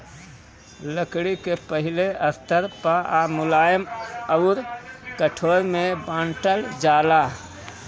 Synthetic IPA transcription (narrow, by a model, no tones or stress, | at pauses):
ləkɽikepəɦileəst̪əɾpaʔamʊlaːjəməʊɾkəʈʰoɾmebãːɳʈəld͡ʒaːla